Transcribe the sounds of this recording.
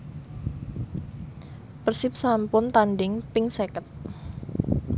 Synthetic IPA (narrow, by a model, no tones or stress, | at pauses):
pərsɪp̚sampʊnt̪anɖɪŋpɪŋsɛkət̪̚